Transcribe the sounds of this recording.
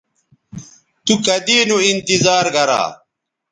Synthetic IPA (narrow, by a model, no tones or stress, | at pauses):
t̪ukɐd̪iːnuint̪izaːɾɡɐɾa̰ː